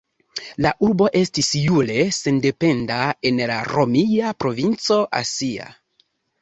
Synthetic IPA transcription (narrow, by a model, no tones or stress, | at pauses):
laʔuɾbo̞ʔe̞stisjule̞se̞nde̞pe̞ndae̞nlaɾo̞miapɾo̞vint͡so̞ʔa̰sia̰